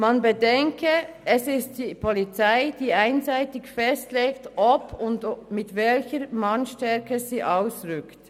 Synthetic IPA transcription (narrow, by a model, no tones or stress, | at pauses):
manbədɛŋkʰəɛsɪst̚d̥iːpʰɔlit͡saɪd̥iːaɪnzaɪtɪçfɛstleːktʔɔpʰʊndmɪtvɛlçəmanʃtɛɾkəziːʔaʊsʁʏkt